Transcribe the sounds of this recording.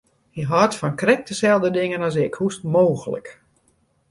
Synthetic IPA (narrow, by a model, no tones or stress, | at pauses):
iɦɔrtfɔnkrɛk̚təsɛlˠdədɪŋənɔsɪkhustmoːɣələ̰k